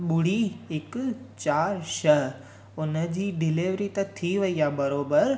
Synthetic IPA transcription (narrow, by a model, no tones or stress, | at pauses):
ɓʊɽiɪkt͡ʃaːɾʃəɦ | ʊnəd͡ʑiːɖɪleʋɾit̪ət̪ʰiʋəijabəɾoːbəɾ